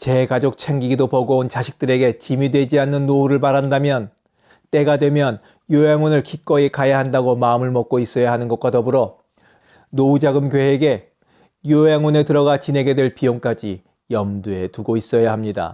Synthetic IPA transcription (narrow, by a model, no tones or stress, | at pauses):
t͡ɕe̞ɡad͡ʑok̚t͡ɕʰeŋɡiɡidopʌɡoont͡ɕaɕʰi̥k̚t͈ɯɾe̞ɡe̞t͡ɕimidwe̞d͡ʑianːɯnːouɾɯɭpaɾandamjʌn | t͈e̞ɡadwe̞mjʌn | joeŋwonɯɭkʰik͈ʌikajaɦandaɡomaɯmɯɭmʌk͈̚ois͈ʌjaɦanɯnɡʌt̚k͈watʌbɯɾʌ | noud͡ʑaɡɯmɡjeeɡe̞ | joɦeŋone̞tɯɾʌɡat͡ɕine̞ɡe̞dwe̞ɭpioŋk͈ad͡ʑi | jʌmdue̞tuɡois͈ʌjaɦamɲida̰